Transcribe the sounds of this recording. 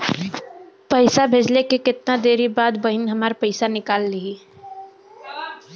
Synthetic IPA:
pəɪsabʱeːd͡ʒlekekɪt̪̚nad̪eːɾibaːd̪bəɦɪnɦɐmaːɾpəɪsanɪkaːlːii

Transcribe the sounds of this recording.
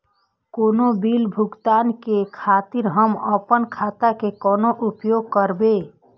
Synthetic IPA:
koːnobilbʱuɡt̪ankekʰat̪iɾɦəməpənkʰat̪akekɔːnoʔupjoɡ̚kəɾbe

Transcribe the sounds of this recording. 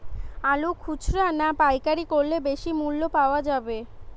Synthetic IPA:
alukʰut͡ɕɾanapajkaɾikoɾːebeʃimulːopaoad͡ʑabe

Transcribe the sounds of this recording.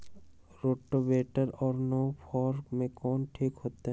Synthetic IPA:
ɾoʈːobeʈəɾɔːɾnopʰɔɾmẽkɔːnʈʰikɦot̪eɦ

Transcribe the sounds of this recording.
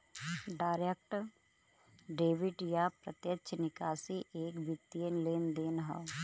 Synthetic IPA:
ɖaːɾeːk̚ʈɾ | ɖeːʋɪʈjapɾət̪jətːʃʰnɪkaːsiʔeːkbɪt̪ːienleːnd̪eːnɦa̰

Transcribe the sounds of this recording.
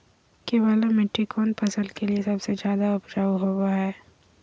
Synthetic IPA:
kebaːlomeʈːikʰoːnpʰɐsəlkeliesɐbsed͡ʒjaːd̪aʊbd͡ʒaːuɦoːbaɦɛː

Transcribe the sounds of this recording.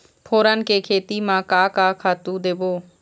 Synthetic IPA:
pʰoːɾankeːkʰeːt̪iːmãːkaːkaːkʰaːt̪ũːd̪eːboː

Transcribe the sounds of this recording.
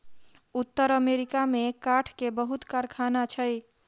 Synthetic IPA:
ut̪ːəɾəmeɾikamekaʈʰkebəɦut̪kaɾkʰanat͡ʃʰəj

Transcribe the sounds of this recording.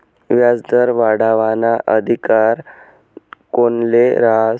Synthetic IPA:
ʋjad͡zd̪əɾʋaɽaʋanaʔəd̪ʱikaɾ | konleɾa

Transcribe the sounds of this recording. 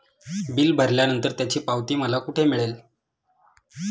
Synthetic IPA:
bilbʱəɾljanənt̪əɾt̪jat͡ɕiːpaʋt̪iːməlakuʈʰemiɭel

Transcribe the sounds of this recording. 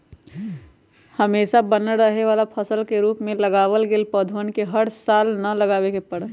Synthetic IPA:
həmeːʃabənəɾəɦeʋaːlapʰəsəlkeɾuːpmẽləɡaːʋəlɡeːlpəd̪ʱənkeɦəɽsaːlnɐləɡaːʋekepəɽ

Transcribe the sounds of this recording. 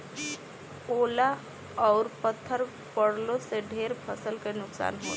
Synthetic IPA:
oːla | ɔːɾpət̪ʰːəɾ | pəɽ̤lõseɖʱeːɾpʰəsəlkenʊksa̰ːnɦoː

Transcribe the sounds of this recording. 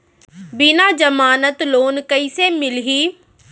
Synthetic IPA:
binaːd͡ʒəmaːnət̪loːnkəiseːmɪlɦiː

